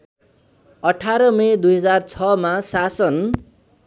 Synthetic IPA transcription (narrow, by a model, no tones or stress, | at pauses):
ʌʈʰaɾʌmʌed̪ujɦʌd͡zart͡sʰʌmasasʌn